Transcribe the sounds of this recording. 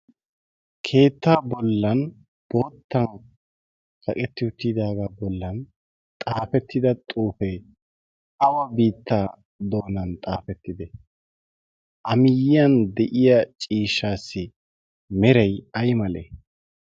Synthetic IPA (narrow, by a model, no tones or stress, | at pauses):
kʰe̞ːt̪ːaːbɔlːɐn | b̥o̞ːt̪ːɐn | kʰʼɐkʼɛt̪ːɪʊt̪ːɪd̪aːɡaːbɔlːɐn | t̪ʼaːfɛt̪ːɪd̪ɐt̪ʼuːfɛ | ɐwɐbiːt̪ːaː | d̪o̞ːnɐnt̪ʼaːfɛt̪ːɪd̪ɛ | ʔɐmɪjɪjɐnd̪ɛʔɪjɐt͡ʃʼiːʃːaːsːɪ | mɛɾɛjɐjmɐlḛ